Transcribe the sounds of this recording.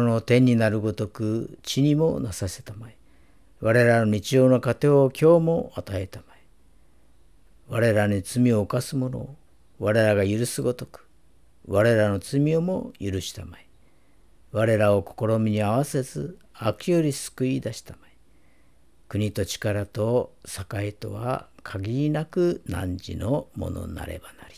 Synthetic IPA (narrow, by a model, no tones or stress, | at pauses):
no̞t̪ẽ̞ɲ̟ːinaɾɯ̟ɡo̞t̪o̞kɯ̟t͡ɕiɲ̟imo̞nasase̞t̪amai | βaɾe̞ɾano̞ɲit͡ɕio̞ːno̞kat̪e̞okʲo̞ːmo̞at̪aet̪amai | βaɾe̞ɾaɲit͡sɨmʲio̞ːkasɨmo̞no̞̰ | βaɾe̞ɾaɡajɯɾɯsɨɡo̞t̪o̞̥kɯ̥ | βaɾe̞ɾano̞t͡sɨmʲio̞mo̞jɯɾɯ̟ɕi̥t̪amai | βaɾe̞ɾao̞ko̞̥ko̞ɾo̞mʲiɲ̟iaβase̞zɨ | akijo̞ɾʲisɨ̥kɯ̟id̪aɕi̥t̪amai | kɯ̟ɲ̟it̪o̞t͡ɕi̥kaɾat̪o̞sakait̪o̞̰βa̰kʰaɡʲiɾʲinakɯ̟nã̰ɲd͡ʑḭnomo̞̰no̰na̰ɾe̞̰banaɾʲi̥